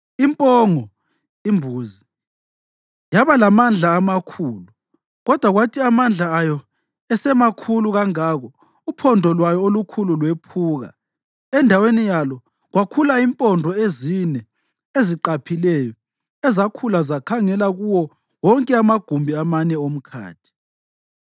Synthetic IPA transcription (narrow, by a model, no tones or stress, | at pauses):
impʼɔŋɔ | imbʱuːzi | jaβalamand͡ɮʱaːmakʰuːlu | ɣɔd̥ʱwaɣwatʰiamand͡ɮʱaːjɔ | ɛsɛmakʰuluɣaŋaɣɔ | upʰɔndʱɔlwajɔolukʰululwepʰuːɣa̰ | ɛndʱawenijalɔ | ɣwakʰulaimpʼɔndʱɔezinɛ | eziǃapʰilɛjɔ | ɛzakʰulazakʰaŋɛlaɣuwɔ | wɔŋkʼɛamaɡ̥ʱumbʱiamanɛom̩kʰa̰ːtʰi̥